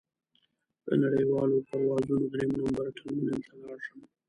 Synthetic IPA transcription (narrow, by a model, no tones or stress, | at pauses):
d̪̥ə̰naɽəjwɑlopaɾwɑzunod̪ɾemnambaɾt̪ʰanmunɪmt̪alɑɾʃəm